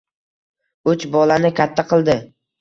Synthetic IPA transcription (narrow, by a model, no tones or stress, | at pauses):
ʊt͡ʃbɒlanɪkʲat̪ʰːaqʰɨlˠd̪ɪ